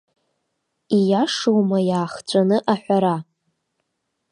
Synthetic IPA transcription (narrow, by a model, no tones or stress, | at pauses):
ijaʂowmajaːχt͡ɕʷʼanɨʔaħʷᶣaɾa